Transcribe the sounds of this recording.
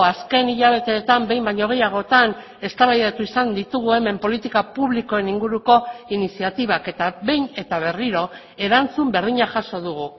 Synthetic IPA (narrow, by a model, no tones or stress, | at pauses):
aske̞niʎaβ̞e̞t̪e̞ːt̪ambe̞jmbaɲoɣ̞e̞jaɣ̞o̞t̪an | e̞st̪aβajðat̪uisand̪it̪uɣue̞me̞mpo̞lit̪ikapuβliko̞e̞niŋɡuɾuko̞inisiat̪iβ̞ake̞t̪aβe̞jne̞t̪aβ̞e̞riɾo̞ | e̞ɾant͡sumbe̞ɾðiɲaʝaʃo̞ðuɣ̞u